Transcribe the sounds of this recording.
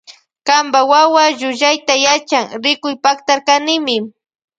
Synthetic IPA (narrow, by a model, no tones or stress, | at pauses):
kambawawaʒʊʒajt̪ajat͡ʃaŋɾɪkʊjpakt̪aɾkanɪmɪ